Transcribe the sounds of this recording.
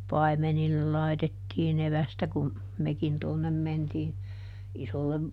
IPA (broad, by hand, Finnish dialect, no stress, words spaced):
pɑi̯menilːel lɑi̯tetːiːn eʋæstæ kum mekin tuonːem mentiː isolːem